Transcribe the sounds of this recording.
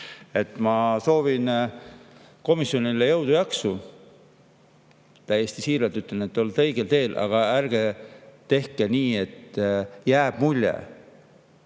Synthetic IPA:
e̞t̪ːˑmɑso̞ːvin | ko̞misjo̞nilejɤwd̪̥ujɑksu | t̪æjːe̞st̪isiːɾɑlt̪yt̪ːˑenet̪ːolt̪ɤ̞jɡ̥elt̪e̞ːlʔɑ̰ɡ̥ɑærɡ̥et̪ːe̞hkeniːe̞t̪ːjæːb̥mulʲːḛ

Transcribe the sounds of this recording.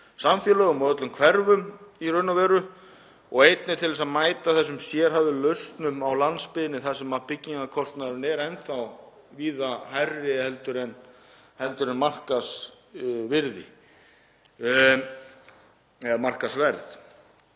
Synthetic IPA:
samfjəlœɣʏmawœt̪lʏmkʰv̥ɛɾvʏmirʏɥnavɛːɾʏ | ɔɣejt̪̚nɪt̪ʰɪlvɛsaðmaːjt̪aθɛs̬ːʏmsjɛːɾ̥ɦavðɪlœɥst̪nʏmawlant̪spɪðɪnːɪθasɛmapɪcːiŋkakʰɔst̪naðɾʏnɛːɾɛnθaw | viːðahajrːɪhɛlt̪ʏɾɛn | hɛlt̪ʏɾɛnmar̥kas | vɪɾðɪ̰ | ɛmar̥kasvɛɾθ

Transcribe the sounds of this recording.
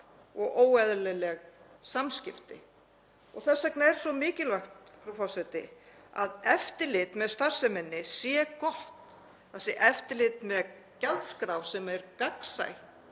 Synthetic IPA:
ɔɣʔoːwɛðlɛlɛɣsamscɪft̪ɪ̰ | ɔɣθɛsːɛknaɛɾ̥svɔmɪːcɪlvajxt̪fɾufawsɛt̪ɪ̰ | a̰ðɛft̪ɪlɪt̪mɛðst̪aɾ̥sɛmɪnːɪsjɛkɔht̪ | θɛsɪʔɛft̪ɪlɪt̪mɛð | calt̪skɾawsɛmaɛɾkaksa̰j

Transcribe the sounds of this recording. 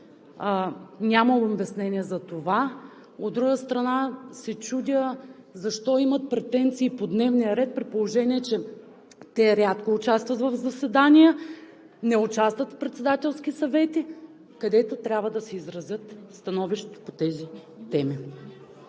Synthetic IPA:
nʲamɐobʲɛsnɛnʲiɛzɐt̪ova | od̪d̪ːɾuɡəst̪ɾɐnasɛt͡ʃud̪ʲə | zɐʃt̪ɔimɐt̪̚pɾɛt̪ɛnt̪siːpod̪nɛvnijəɾɛt̪̚pɾitpolˠoʒɛnʲiɛt͡ʃɛ | t̪ɛɾʲat̪koːt͡ʃast̪vɐt̪vɐvzɐsɛd̪anijə | nɛʊt͡ʃast̪vət̪fpɾɛt̪sɛd̪at̪ɛlˠsk̟isɐvɛt̪i | kɐd̪ɛt̪ot̪ɾʲjabvəd̪ɐsɛizɾɐzʲɤt̪st̪ɐnɔviʃt̪ɛ̥t̪o̥pot̪ɛzi | t̪ɛmi

